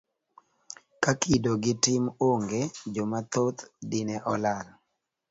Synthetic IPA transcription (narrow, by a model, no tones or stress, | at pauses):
kakʰidoɡɪtɪmoŋɡed͡ʒomat̪ot̪dɪnɛʔɔlal